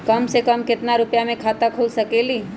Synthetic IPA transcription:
kəmsekəmkɪt̪naɾʊpjamẽkʰat̪akʰulsəkeli

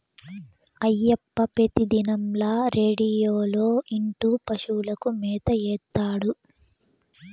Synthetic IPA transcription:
ɐjːɐpːɐpet̪id̪inɐmlaːɾeːɽijoːlo̞ːiɳʈuːpɐʃuːlɐkumɛːt̪ɐjɛːt̪ːaːɽu

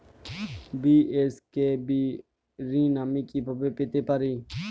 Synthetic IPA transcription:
biːeskeːbiː | ɾĩːnaːmiːkiːpəbeːpɪt̪eːpəɾiː

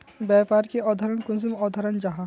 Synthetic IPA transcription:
bɛːpaːɾkiɔːd̪ʱɐɾənkʊnzɪmɔːd̪ʱɐɾənd͡ʒɐɦa

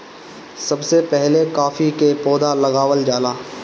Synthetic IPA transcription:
sɐbsepɛɦlekaːfikepɔːd̪alɐɡaːʋəld͡ʒaːlaː

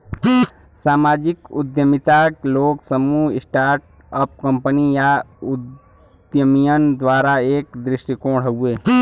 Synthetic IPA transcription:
saːmaːd͡ʒɪkʊ̰d̪jəmɪt̪akloːɡsəmuɪsʈaːɾʈ | əp̚kə̃mpənijaʊd̪ | jəmijənd̪waːɾaeːkd̪ɾɪʃʈikõːɽ̤əueː

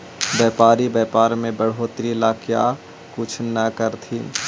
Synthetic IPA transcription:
bɛːpaːɾibɛːpaːɾmẽbəɽ̤ɦoːt̪ɾilaːkja̰ː | kʊt͡ʃʰnəkəɾt̪ʰiː

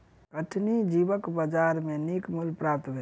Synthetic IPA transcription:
kəʈʰnid͡ʒibəkbəd͡ʒaɾmẽnikmulpɾap̚t̪bʱe

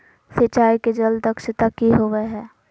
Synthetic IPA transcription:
sət͡ʃaːiked͡ʒələkʃɪt̪akiɦoːʋeɦɛː

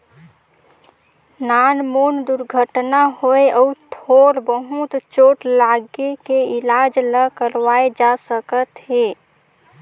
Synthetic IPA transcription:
nanmond̪uɾɡʱəʈnaɦoeʔɔut̪ʰoɾbəɦut̪t͡ʃoʈlaɡekeilad͡ʒləkəɾʋaed͡ʒasəkət̪ɦe

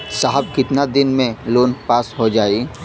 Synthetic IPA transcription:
saːɦəb̚kɪt̪nad̪ɪnmẽloːnpaːsɦod͡ʒaːi

